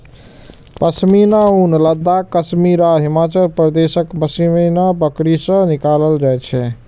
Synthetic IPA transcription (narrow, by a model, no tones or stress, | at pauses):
pəsminaunləd̪ːakəsmiɾaɦimat͡ʃəlpɾəd̪esəkbəsiminabəkɾisə̃nikaləld͡ʒajt͡ʃʰɛ